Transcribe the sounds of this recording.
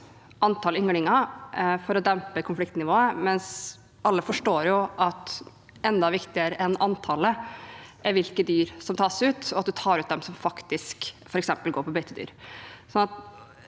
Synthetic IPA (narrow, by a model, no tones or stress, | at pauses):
ʔɑnt̪ʰɑːlʏŋɽɪŋɑfɔɾɔd̪ɛmpəkʰʊnflɪkt̪nɪʋoːəmɛns | ʔɑlːəfɔʂʈoːɾjʊʔɑt̪ | ʔɛnd̪ɑʋɪkt̪ɪəɾəʔɛnɑnt̪ʰɑləʔɛɾʋɪlkəd̪yːɾsɔmt̪ʰɑːsʉːt̪ɔɑt̪̚d̪ʉt̪ʰɑːɾʉːt̪d̪ɛmsɔmfɑkt̪ɪskfɔɾɛksɛmpəlɡoːɾpʰɔbœʏt̪ʰəd̪y̰ːɾsɔnɑt̪